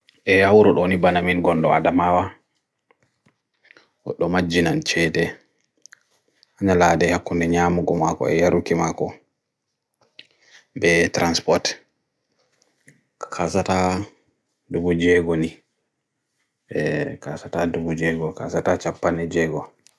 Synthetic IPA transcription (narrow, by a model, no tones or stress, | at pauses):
ʔɛhawɾɔɗonibanaminɡɔndɔa̰damawa | wɔ̰ɗːɔmad͡ʒːinant͡ʃɛdɛ | ʔaɲaladɛhakːundɛɲaːmuɡɔmakɔ̰ɛ̰jaɾukimakɔ | bɛtɾanspɔt | kʰasata | dubud͡ʒɛɡoni | ɛkasatadubud͡ʒɛɡɔkasatat͡ʃapːanɛd͡ʒɛɡɔ